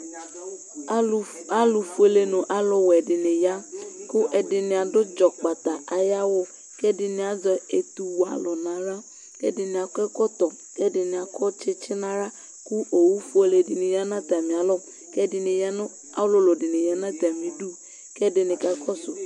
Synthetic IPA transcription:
a˦ʊ˨fu˦e˨le˨nʊ̃˨ʔa˦lʊ˨wɛ˨dɪ˨nɪ˨ja˦kʊ˦ʔɛ˨dɪ˨nɪ̃˨a˨dʊ˦d͡ʒɔ˨k͡pa˨t̪a˨a˨ja˦wʊ˦ | kɛ˦dɪ˨nɪ̃˨a˨zɔ˨e˨t̪u˨wa̰˨lʊ˨nã˨ɾa˦ | kɛ̰˦dɪ˨nɪ̃˨a˨kɛ˦kɔ˦t̪ɔ˨ | kɛ˦dɪ˨nɪ̃˨a˨kʰɔ˦t͡ʃɪ˦t͡ʃɪ˦nã˨ɾa˦ | ku˦o˨wu˦fu˦e˨le˨dɪ˨nɪ̃˨ja˦nã˦t̪a˨mĩ˨a˨lɔ˦ | kɛ˦dɪ˨nɪ˨ja˦n˦ | a˦lʊ˦lʊ˨dɪ˨nɪ˨ja˦nã˦t̪a˨mĩ˨du˦ | kɛ˦dɪ˨nɪ̃˨ka˦kɔ˦sʊ˨

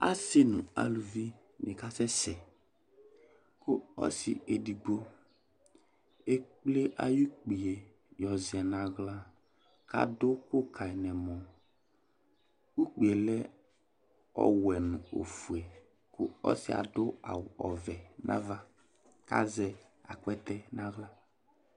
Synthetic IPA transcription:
a̰˦sɪ˦nʊ̰̃˨a̰˨lu˨vi˦ | nɪ˨ka˦sɛ˦sɛ˨ | kʊ˦ɔ̰˦sɪ̰˨e˨di˨ɡ͡bo˦ | e˦k͡ple˦ʔa̰˨ju˦k͡pi˨e˨ | jɔ˨zɪ˨ɛ˨na˨ɣla˦ | ka̰˦dʊ˦kʊ˦kʰa˨i˨nɛ˨mɔ˨ | u˦k͡pi˨e˨lɛ˦ | ɔ̰˦wɛ˨nʊ̃˨o̰˨fu˨e˨ | kʊ̰˦ɔ̰˦sɪ˦a̰˨dʊ˦a̰˨wɔ˨vɛ˨nʔã̰˦va˦ | ka̰˦zɛ˨a̰˨k͡pɛ˦t̪ɛ˦nã˦ɣla˦

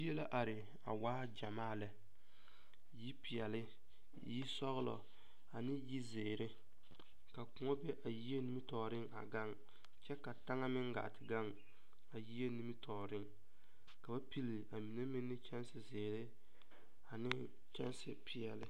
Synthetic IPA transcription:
i˦e˦la˦ʔa˨ɾɪ˨ | a̰˨waː˦d͡ʒa˨maː˦˨lɛ˨ | ji˦pi˨jɛ˨lɪ˦ | ji˦sɔ˦ɣɪ˦lɔ̰˨ | a˨nɪ˦ji˦zeː˨ɾɪ˦ | ka˨kʊ˨ŋɔ˦bɛ˦ʔa˨ji˦e˦ni˦mi˦tɔː˨ɾɪ˦ŋa̰˨ɡa˦ŋ | t͡ʃɛ˦ka˨ta˦ŋa˦mɪ˦ŋɡa̰˨tɪ˨ɡa˦˨ŋ | a˨ji˦e˦ni˦mi˦tʰɔː˨ɾɪ˦ŋ | ka˨ba˦pi˦li˨a˨mi˨ne˦mɪ˦nːɪ˦t͡ʃɛ˦n˦sɪ˨zeː˨ɾɪ˦ | a˨nɪ˦ | t͡ʃɛ̰˦nsɪ˨pʰi˨ɛ˨lɪ̰˦

